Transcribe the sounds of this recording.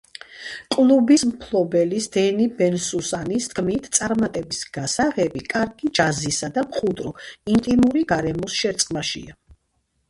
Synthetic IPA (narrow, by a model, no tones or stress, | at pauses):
kʼlˠubismpʰlˠɔbɛlisd̪̥ɛnibɛnsusanist̪ɡʰmit̪ʰt̪sʼaɾmat̪ʼɛbisɡ̥asaʁɛbikʼaɾɡid͡ʒazisad̪amχud̪ʼɾɔint̪ʼimuɾiɡ̥aɾɛmɔsʃɛɾt̪sʼqʼlaʃḭa